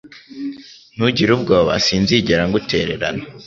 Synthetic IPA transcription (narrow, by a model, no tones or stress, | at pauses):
n̥uɟiɾub̚ɡoːβa̰siːnziɟeɾaŋɡutʰe̞̰ːɾe̞ɾa̰na